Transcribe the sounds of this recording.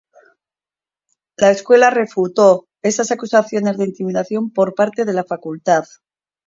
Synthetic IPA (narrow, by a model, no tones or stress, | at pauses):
lae̞skwe̞lare̞fut̪o̞ | e̞sasakusaθjo̞ne̞zðeint̪imiðaθjo̞mpo̞ɾpaɾt̪e̞ðe̞lafakult̪að